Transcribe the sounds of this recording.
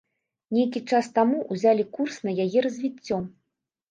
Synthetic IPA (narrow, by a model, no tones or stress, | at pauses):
nʲejkʲit͡ʂast̪amuʔuzʲalʲikursnɐjajɛɾɐzʲvʲit͡sʲːɔ